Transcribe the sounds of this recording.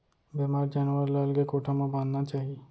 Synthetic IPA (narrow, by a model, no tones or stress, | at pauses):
bemaːɾd͡ʒaːnʋəɾlaːlɡekoːʈʰamãbãːnnat͡ʃaːɦie